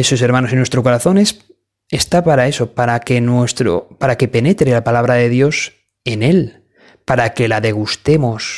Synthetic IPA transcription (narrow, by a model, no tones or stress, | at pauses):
esus̬e̞ɾmano̞sinwest̪ɾoko̞ɾaθo̞ne̞s | est̪apaɾae̞sopaɾake̞nwe̞st̪ɾo̰paɾake̞pe̞ne̞t̪ɾe̞lapalaβ̞ɾaðe̞ðjo̞s | e̞ne̞l | paɾake̞laðe̞ɣ̞ust̪e̞mo̞s